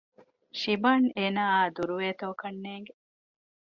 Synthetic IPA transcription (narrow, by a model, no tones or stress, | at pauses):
ʃibɐneːnaːd̪uɾuʋeːt̪oːkɐnːeːŋɡe